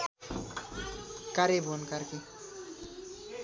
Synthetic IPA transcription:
kaɾebonkaɾki

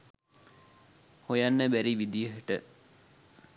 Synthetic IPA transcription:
hojanːəbæɾiʋid̪ijəɦəʈə

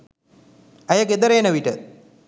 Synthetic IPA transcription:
ɐjɐked̪ɐɾejnɐʋiʈɨ

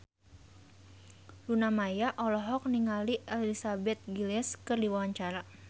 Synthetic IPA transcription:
lunamajaʔɔlɔɦɔk̚niŋaliʔɛlɛlisabɛt̪̚ɡilɛskɨrdiwawaɲt͡ʃaɾa

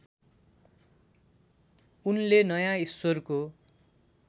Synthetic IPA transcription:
unlenʌjãisworko

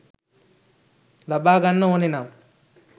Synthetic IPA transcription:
lɐbaːɡɐnːɐoninam

